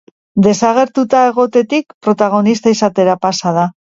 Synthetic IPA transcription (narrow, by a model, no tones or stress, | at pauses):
d̪e̞saɣe̞ɾt̪ut̪ae̞ɣo̞t̪e̞t̪ikpɾo̞t̪aɣ̞o̞nist̪aisat̪e̞ɾapasað̞a